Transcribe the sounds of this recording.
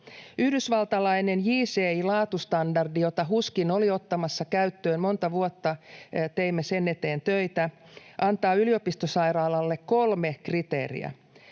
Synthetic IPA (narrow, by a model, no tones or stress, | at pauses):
yhdysʋɑlt̪ɑlɑine̞njiːseːilɑːt̪ust̪ɑndɑrdijo̞t̪ɑɦuskino̞lio̞t̪ːɑmɑsːɑkæyt̪ːøːnmo̞nt̪ɑʋuot̪ːɑt̪eimːesenːet̪e̞ːnt̪øit̪æ | ʔɑnt̪ɑːyliopist̪osɑiɾɑːlɑlːekko̞lmekrit̪ḛːrḭæ̰